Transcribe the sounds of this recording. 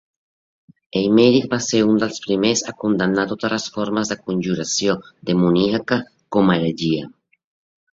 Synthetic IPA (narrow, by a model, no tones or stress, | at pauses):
ejmeɾik̚baseɾund̪əlˠspɾimesakund̪anːat̪ot̪alasfoɾmazðəkunʲʒuɾasjod̪emuniaka | komaɾeʒia